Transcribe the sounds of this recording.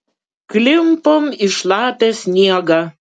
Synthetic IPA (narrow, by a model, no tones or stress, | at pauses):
klʲɪmpoːmɪʃlˠɑːpʲɛːsʲnʲiɛɡɑː